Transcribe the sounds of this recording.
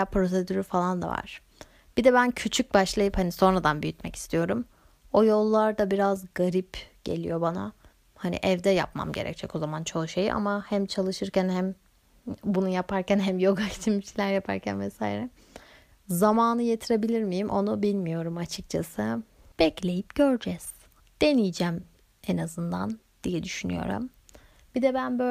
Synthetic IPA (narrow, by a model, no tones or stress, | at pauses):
apɾo̞s̬e̞d̪yɾyfalˠand̪a̰va̰ɾ̥ | b̥id̪ɛbæncʰyt͡ʃʰyc̚baʃlˠajɯphaniso̞nɾad̪anbyjyt̪mɛci̥st̪ʰijo̞ɾum | o̞jo̞lˠːaɾd̪abiɾazɡaɾipɟ̥e̞̰lʲḭjo̞bana̰ | hanḭʔɛvd̪ɛja̰pma̰mɟe̞ɾɛ̰c̚d͡ʒʰɛko̞zamant͡ʃʰo̞ʃejiʔa̰mahæmt͡ʃʰalˠɯʃɯɾcænhæm | bunujapʰaɾcænɦæmjo̞ɡat̪ʰimiʃlʲæɾjapʰa̰ɾcʰæ̰nvɛsa̰ːjḭɾɛ | zamaːnɯje̞t̪ʰiɾe̞bilʲiɾmijimʔo̞nubilʲmijo̞ɾumat͡ʃʰɯk̚t͡ʃʰasɯ | b̥ɛclʲe̞jip̚ɟ̥ø̞ɾd͡ʒɛz̥ | d̪̥e̞nijd͡ʒæm | ɛnazɯnd̪a̰n | d̪̥ijɛd̪yʃyny̰jo̞̰ɾṵm | bid̪ɛbænbø